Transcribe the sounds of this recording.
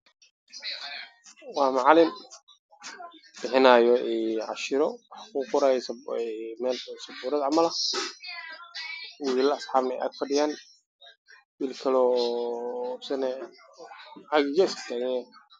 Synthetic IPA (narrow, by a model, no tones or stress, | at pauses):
wɑːmɑʕlɪm | b̥ɪħɪnaːjɔʔɛːʕɑ̰ʃɪɾɔwɑħkʰuːqʊɾaːjɛsmɛːlsɐbuːɾɐðʕɑmɐlɐ | wilɐɐsħɑːbnɐɛ̰ʔa̰ːd̪fɐɖɪjaːn | wiːlkʰɐlɔː | sɛnɛ | ʕɑɣɪd͡ʒɛst̪ʰaːɣɛɛ